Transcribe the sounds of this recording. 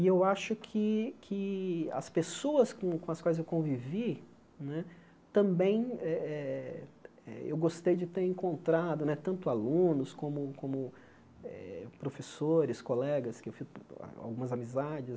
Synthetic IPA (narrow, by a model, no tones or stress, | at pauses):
iewaʃʊkʰɪkʰɪɐ̰spesoɐskõkõɐskwajzewkõvivi | nɛ | t̪ɐ̃mbẽj̃ɛɛ | ɛḛwɡost̪ejd͡ʒɪt̪eɾẽŋkõnt̪ɾad̪ʊnɛt̪ɐ̃nt̪ʊalũnʊskõmʊkõmʊ | ɛ̰pɾofesoɾɪskolɛɡɐskɪewfḭa̰wɡũmɐzamizad͡ʒɪs